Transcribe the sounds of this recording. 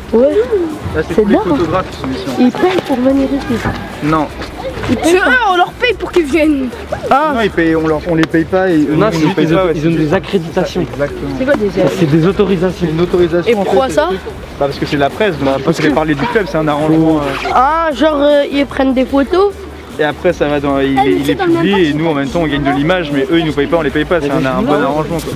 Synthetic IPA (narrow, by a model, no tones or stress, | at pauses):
wɛbasɛsɛd̪ɔfot̪ɔɡʁafsimisjɔ̃ilpɛjpuʁvəniʁisis | nɔ̃ | ilpɛaɔ̃lœʁpɛjpuʁkilvjɛn | aɔ̃ipɛjɔ̃ləʁɔ̃lepɛjpaenɔ̃spɛzilzɔ̃d̪ezakχed̪it̪asjɔ̃ɡzak̚t̪əmɑ̃sɛkwad̪ezɛsɛd̪ezot̪ɔʁizasjɔ̃not̪oʁizasepɔ̃uʁkwasa | bapaʁsəkəsɛlapχɛs̬d̪ɔ̃pɔsavepaʁled̪yklœbsɛɛ̃naʁɑ̃ʒmɑ̃øaʒɑ̃ʁøilpχɛnd̪epot̪o | eapχɛsavad̪ɑ̃ilɛilɛpd̪̃bmɛlijeenuɑ̃mɛmt̪ɑ̃ɔ̃ɡaɲd̪əlimaʒmɛʔøilnupɛjpaɔ̃lepɛjpasɛɛ̃nɛ̃b̪ɔnaʁɑ̃ʒmɑ̃kwa